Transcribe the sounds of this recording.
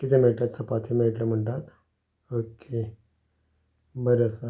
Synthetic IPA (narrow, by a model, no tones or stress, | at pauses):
kit̪emeɭʈlat̪səpat̪ʰimeɭʈləm̤əɳʈat̪ | okʰe | bəɾəsə